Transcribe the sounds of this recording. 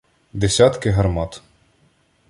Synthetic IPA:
d̪esʲɑt̪kɪɦɐrmɑt̪

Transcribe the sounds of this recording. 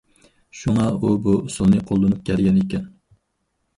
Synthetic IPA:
ʃuŋɑubuusulˠnɨqʰolˠd̪ɨnup̚kʲʰæɾɡʲɛnekʲɛn

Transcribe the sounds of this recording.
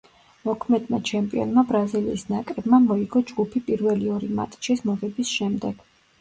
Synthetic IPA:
mɔkʰmɛd̪mat͡ʃʰɛmpʼiɔ̰nmabɾazilḭːsnakʼɾɛbmamɔiɡɔd͡ʒɡupʰipʼiɾvɛliɔɾima̰t̪ʼt͡ʃʰismɔʁɛbisʃɛmd̪ɛɡ̥

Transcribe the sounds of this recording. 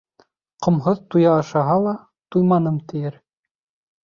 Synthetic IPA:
qŏmɦoðt̪ujɑːʃɑɦɑlˠɑ | t̪ujmɑnɤmt̪ʰɘ̆jɘɾ

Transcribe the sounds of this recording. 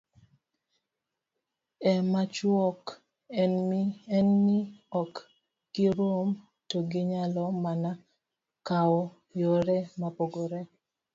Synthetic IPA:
ɛmat͡ʃwɔk | ɛnɛnmiɔk | ɡ̥ɪɾom | toɡɪɲalɔmana | kawɔ | jɔɾɛmapoɡoɾɛ

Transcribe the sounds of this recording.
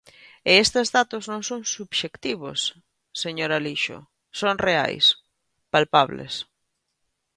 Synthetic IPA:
eest̪ezðat̪ʊznõŋsõŋsuβʃekt̪iβo̰sː | eɲoɾaliʃʊ̰ | soŋrea̰js | palpaβlḛs

